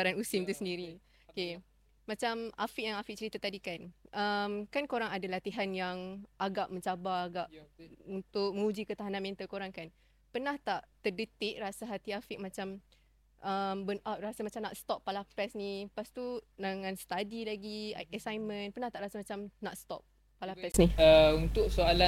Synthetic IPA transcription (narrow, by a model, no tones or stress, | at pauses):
aɾanusimt̪usəndiɾi | ke | mat͡ʃamafik̚jaŋafik̚t͡ʃəɾit̪at̪adikanʔəmkankoɾaŋadalat̪iɦanjaŋʔaɡaʔməɲt͡ʃabaːɡaʔunt̪ʊk̚mə̃ŋud͡ʒikət̪aɦananmɛ̃nt̪alkoɾaŋkan | pənaht̪aʔt̪ərdət̪ɪʔ̚rasaɦat̪iafik̚mat͡ʃam | ʔəmbəarasamat͡ʃamnaʔst̪ɔpːalapɛsnipast̪udaŋãnst̪adilaɡiɛsajmə̃npənaht̪aʔɾasamat͡ʃamnat̪st̪ɔ̰p̚ːalapɛsniəunt̪ʊksoala